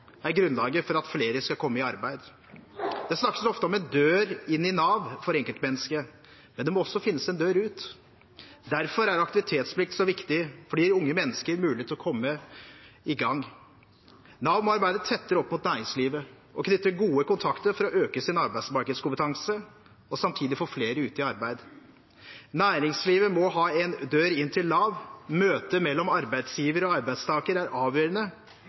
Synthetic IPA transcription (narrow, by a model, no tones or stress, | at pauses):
æɾɡɾʉnlɑːɡəfɔɾɑt̪fleːɾəskɑkʰɔmːəɪɑɾbæɪd̪ | d̪̥ɛsnɑkːəsɔft̪əɔmɛnd̪øːɾɪnːɪnɑːʋfɔɾɛŋkəlt̪mɛnːəskə | mɛnd̪ɛmɔɔsːɔfɪnːəsɛnd̪øːɾʉːt̪ | d̪æɾfɔɾæɾɑkt̪ɪʋɪt̪ʰeːt̪spʰlɪkt̪sɔʋɪkt̪ɪfɔɖiːʊŋːəmɛnːəskəɾmʉːlɪt̪ɪlɔkʰɔmːə | ɪɡɑŋː | nɑʋmɑɾbæɪd̪ət̪ʰɛt̪ːəɾɔpːmʊt̪næːɾɪŋsliːʋə | ʔɔkʰnʏt̪ːəɡuːəkʊnt̪ʰɑkt̪əɾfɔɾɔʔøːkəsɪnɑɾbæɪsmɑɾkəd̪skʊmpət̪ʰɑŋsə | ɔsɑmt̪ʰiːd̪ɪfoːɾfleːɾəʉːt̪ɪɑɾbæɪd̪ | næːɾɪŋsliːʋəmɔɦɑːɛnd̪øːɾɪnːt̪ʰɪlːɑːʋmøːt̪əmɛlːɔmɑɾbæɪd̪sjiːʋəɾɔɑɾbæɪst̪ʰɑːkəɾæɾʔɑːʋjøːɾənə